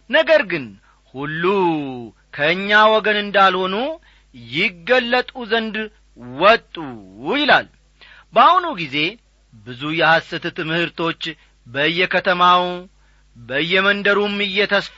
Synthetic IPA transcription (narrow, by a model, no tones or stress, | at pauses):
nəɡəɾɡɨn | hulːu | kʰəɲːawɔɡənɨnd̪alho̞nu | jɪɡːəlːət̪ʼuzənd̪ | wɔt̪ʼːujɪlal | bəahunuɡize̞ | bɨzujɛhasɨt̪ʰɨt̪mɨhɨɾt̪ʰo̞t͡ʃː | bəɨjːɛkʰət̪ʰəmaw | bəɨjːɛmənd̪əɾumɨjːɛt̪ʰəsf